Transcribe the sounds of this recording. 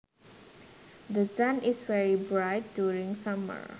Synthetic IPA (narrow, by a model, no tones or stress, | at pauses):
d̪əsãnɪsvɛɹibɹaɪt̚djuɹĩŋsamə̰ɹ